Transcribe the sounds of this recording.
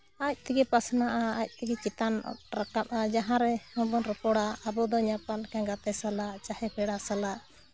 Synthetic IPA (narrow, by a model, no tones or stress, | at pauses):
ac̚t̪ɛɡɛpasnaʔaac̚ˀt̪ɛɡɛt͡ʃit̪an̰ɾakap̚ʔad͡ʒaɦãɾɛɔ̃bɔnɾəpɔɽaːbɔd̪ɔɲapankãɡat̪ɛsalaʔt͡ʃahɛpʰɛɽasalaʔ